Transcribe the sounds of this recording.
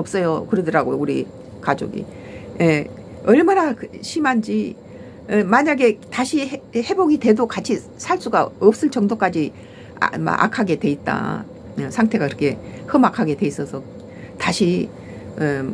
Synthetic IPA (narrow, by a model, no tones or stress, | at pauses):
ʌp̚s͈ʌjokɯɾedʌɾaɡojouɾi | kad͡ʑo̰ɡḭ | je | ʌɭmanakɕʰimand͡ʑi | emaɲaɡe̞taɕʰihe̞boɡidwe̞dokat͡ɕʰi | sʰaɭs͈uɡaʌp̚s͈ɯɭt͡ɕʌŋdok͈ad͡ʑḭ | ma̰ʔa̰kʰaɡe̞dwe̞it̚t͈a̰ | sʰaŋtʰe̞ɡaiɾʌkʰe̞hɯmakʰaɡe̞dwe̞is͈ʌsʰʌ | taɕʰi